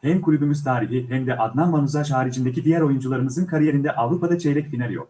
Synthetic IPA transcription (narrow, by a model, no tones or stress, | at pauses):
hɛmkʰulʲybymyz̥t̪ʰaːɾiɦiɦɛmd̪ɛʔat̪manmanuzaʃ̬haːɾid͡ʒind̪ecʰid̪ijæɾo̞jund͡ʒulˠaɾɯmɯzɯnkʰaɾije̞ɾind̪ɛʔavɾupad̪at͡ʃʰejɾɛcfinalʲjo̞̰k